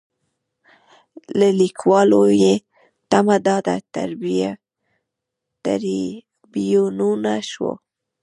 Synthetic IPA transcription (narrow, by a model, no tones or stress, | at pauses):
lalikwɑloje | t̪amad̪ɑd̪at̪a̰ɾbija | t̪a̰ɾi | bijonunaʃwo̰